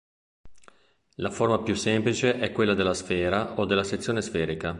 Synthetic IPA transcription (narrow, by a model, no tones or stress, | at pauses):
laformapjusːemplit͡ʃeʔɛkːwelːad̪elːasfɛːɾaod̪ːelːaset̪sːjoːnesfɛːɾika